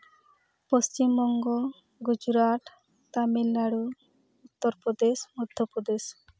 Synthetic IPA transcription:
post͡ʃimbɔŋɡɔ | ɡud͡ʒɾaʈ̪ | t̪amilːaɽu | ut̪ːɔɾpɾɔd̪esmɔd̪ʱjɔpɾɔd̪es

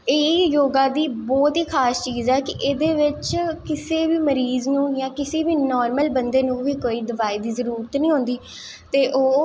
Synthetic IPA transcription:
eːjoːɡãːd̪iːbɔːt̪iːkʰaːst͡ʃiːzɛːkɪʔeːd̪eːʋɪt͡ʃkɪseːʋiːməɾiːznũːjãːkɪseːʋiːnɔːɾməlbənd̪eːnũːʋiːkoːiːd̪əʋaːiːd̪iːzəɾuːɾət̪nĩːɦõːnd̪iː | t̪eːʔoː

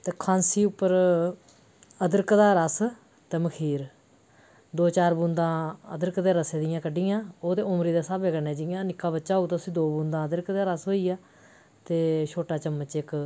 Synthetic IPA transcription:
t̪eːkʰãːnsiːʊpːəɾ | əd̪əɾkd̪aːɾəs | t̪eːməkʰiːɾ | d̪oːt͡ʃaːɾbũːnd̪ãːəd̪əɾkd̪eːɾəseːd̪ɪjãːkəɖɪjãːoːt̪eːʊmɾiːd̪aːsaːbeːkəneːd͡ʒɪjãːnɪkːaːbətːʃaːɦuːt̪osĩːd̪oːbũːnd̪ãːəd̪əɾkd̪aːɾəsɦoːiːaː | t̪eːʃʰoːʈaːt͡ʃəmːət͡ʃɪk

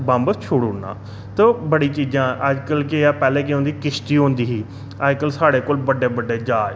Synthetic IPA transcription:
bãmbət͡ʃʰʊɽʊɽna̰ː | t̪oːbəɽiːt͡ʃiːd͡ʒãːəd͡ʒkəlkeaːpɛːleːk̬ɪɦõːnd̪iːkɪʃt̪iːɦõːnd̪iːɦiː | əd͡ʒkəlsaːɽeːkoːlbəɖːeːbəɖːeːd͡ʒaː

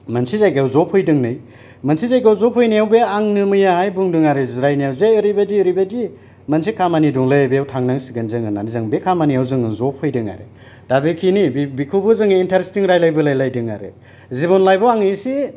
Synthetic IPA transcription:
mɐnsizajɡawzɔpʰɔjdɯŋnɯj | mɐnsʰizajɡawzɔpʰhɔjnijawbeaŋnɯmɯjahajbuŋdɯŋaɾɯziɾajnijawzeɯɾibadiɾibadi | mɐnsikʰamaniduŋlɯbejawtʰaŋnaŋsiɡɯnzɯŋɯnanizaŋbekʰamanijawzɯŋɯzɔp̚ʰhɔjdɯŋa̰ɾɯ̰ | d̥abekʰinibbikʰubɯzɯŋɯintʰaɾestiŋɾajlajbɯlajlajdɯŋa̰ɾɯ̰ | zibɔnlajbɔwaŋisi

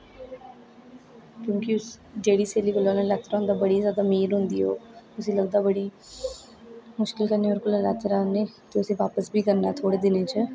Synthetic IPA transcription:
kjõːkiʊs | ɖeːɽiːseːliːkolaːneːlɛːt̪ɾaːɦʊ̃nd̪aːbəɽiːzjaːd̪aːmiːɾɦʊ̃nd̪iːɦo̰ːʊsĩːləɡd̪aːbəɽiː | mʊʃkɪlkəɾneːəɾkʊləlɛːt̪əɾaːneːt̪eːʊsĩːʋaːpəsbʱiːkəɾnaːt̪ʰoːɽeːd̪ɪnẽːt͡ʃə

